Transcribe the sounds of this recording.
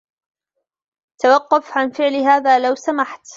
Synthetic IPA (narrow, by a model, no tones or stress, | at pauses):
t̪awɑqːʊfʕanfɪʕlɦaːðaːlawsamaħt̪